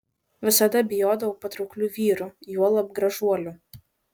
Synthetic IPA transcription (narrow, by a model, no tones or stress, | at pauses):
ʋʲɪsɐd̪ɐbʲɪjoːd̪ɐʋɐʊpɐt̪ɾɔʊklʲuːʋʲiːɾujuɔlˠɐb̚ɡɾɐʒuɔlʲʊ